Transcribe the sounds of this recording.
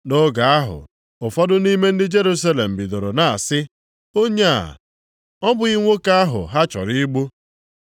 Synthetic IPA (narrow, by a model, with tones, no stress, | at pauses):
no˦ɡa˨a˦ɦʊ̰˨ | ʊ˨fɔ˦dʊ˦ni˦me˦n̩˦dɪ˦d͡ʒe˦ɾu˦sa˦le˨m̩˨bi˨do˨ɾo˨na̰˨sɪ˦ | o˦ɲe˦a̰˨ | ɔ˦bʊ˨i˦ŋʷo˦ka˦a˦ɦʊ̰˨ɦa˦t͡ʃɔ̰˨ɾi˦ɡ͡bu˦